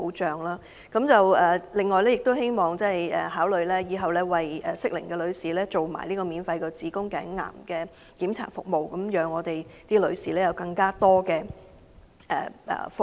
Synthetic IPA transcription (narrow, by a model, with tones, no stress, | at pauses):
o˨˥wt͡ʃœː˨ŋlaː˥ | kɐ˨˥mt͡sɐ˨wɛː˨˩lɪ˨˩ŋːɔː˨jlɛː˥jɪ˨k̚t̪o˥whe˥jmɔː˨ŋt͡sɛ˥˨jɛ˨haː˨˥wlɵ˨˧ɥlɛː˥jiː˨˧ɦɐ˨wlɛː˥wɐ˨jɛ˨sɪ˥k̚lɪ˨˩ŋkɛː˧lɵ˨˧ɥsiː˨lɛː˥t͡so˨wma̰ː˨˩jliː˥kɔː˧miː˨˧nfɐ˧jkɔː˧t͡siː˨˥kʊ˥ŋkɛː˨˥ŋŋa̰ː˨˩mkɛː˧ | kiː˨˥mt͡sʰa̰ː˨˩tfʊ˨k̚mo˨wkɐ˨˦mjœː˨˧ŋɔː˨˧t̪e˨jt̪iː˥lɵ˨˧ɥsiː˨˩lɛː˥jɐ˨˧wkɐ˧ŋkaː˥t̪ɔː˥kɛː˧ | ʔɛ̰ː˨ɛ̰ː˨˩fʊ˨